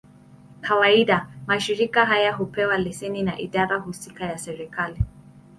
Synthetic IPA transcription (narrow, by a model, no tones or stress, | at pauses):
kawaiɗamaʃiɾikaɦajaɦupɛwalɛsɛninaʔiɗaɾahusikajasɛɾikali